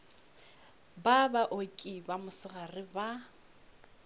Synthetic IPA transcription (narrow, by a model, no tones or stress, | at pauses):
babaʔokʼibamʊsɪɣarɪba